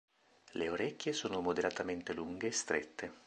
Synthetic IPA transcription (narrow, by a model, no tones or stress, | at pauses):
leoɾekʲːjesoːnomod̪eɾat̪ament̪eluŋɡeːst̪ɾʔḛt̪ʰːe